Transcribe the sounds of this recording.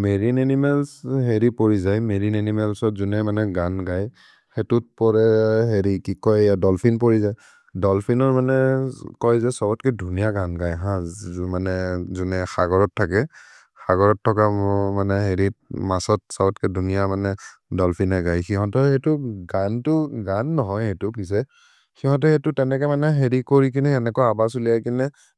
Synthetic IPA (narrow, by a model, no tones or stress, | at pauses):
meɹinenimɛlsɦeɹipoɹizajmeɹinenimɛlsɔtzunɛmanɛɡanɡaj | xetut̚pɔɹɛɦeɹikikɔjjadɔlpʰinpɔɹizaj | dɔlpʰinɔɹmanɛkɔjzɛsɔbɔtkɛdʱunijaɡanɡajɦãmanɛzunɛxaɡɔɹɔtʰːakɛ | xaɡɔɹɔtʰːɔkamɔmanɛɦeɹit̚masɔt̚sabɔtkɛdʱunijamanɛ | dɔlpʰinɛɡajxiɦɔ̃tɔetʊɡantʊɡanːɔɦɔjetʊpis̬ɛ | xiɦɔ̃t̬ɔetʊtɛnɛkɛmanɛɦeɹikoɹik̬inɛɛnɛkɔjabasulijajkinɛ